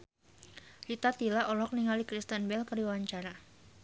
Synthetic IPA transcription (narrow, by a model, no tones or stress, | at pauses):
lit̪at̪ilaʔɔlɔk̚niŋalikɾist̪ənbɛlkərdiwawaɲt͡ʃaɾa